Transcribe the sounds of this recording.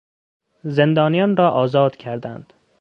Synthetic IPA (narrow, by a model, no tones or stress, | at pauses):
ze̞nd̪ɒːnijɒːnɾɒːʔɒːzɒːd̪̥cʰæɾd̪ænd̪̥